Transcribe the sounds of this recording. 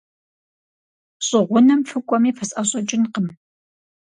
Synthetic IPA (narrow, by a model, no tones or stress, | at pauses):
ɕʼɪʁʷʊnɐmfɨkʷʼɔmiːfɐsʼɐɕʼɐt͡ʃʼɪnqəm